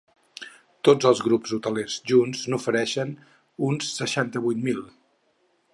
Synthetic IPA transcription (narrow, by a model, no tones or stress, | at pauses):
t̪od͡zəlˠzɣɾupzut̪əlezʒunznufəɾɛʃən | unsːəʃant̪əβujt̪milˠ